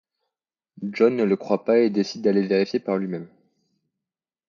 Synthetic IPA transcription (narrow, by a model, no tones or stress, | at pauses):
ʒɔnːələkχwapaed̪esid̪̚ːaleveʁifjepaʁlɥimɛm